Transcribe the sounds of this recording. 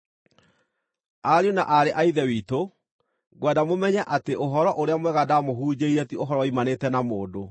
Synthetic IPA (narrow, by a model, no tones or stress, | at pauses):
aɾjuna̰ʔaɾeʔaiðɛwiːto | ɡwɛdamomɛɲɛʔateoɦɔɾɔʔoɾeamwɛɣadamoɦuːd͡ʑeiɾɛtioɦɔɾɔwaimanetɛnamoːdo